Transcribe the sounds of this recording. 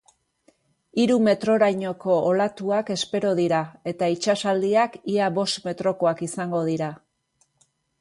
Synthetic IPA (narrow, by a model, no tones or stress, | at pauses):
iɾume̞t̪ɾo̞ɾajɲo̞ko̞ʔːlat̪uake̞spe̞ɾo̞ðiɾae̞t̪ait͡ʃasald̪iakiaβo̞st̪me̞t̪ɾo̞ko̞akisaŋɡo̞ð̞iɾa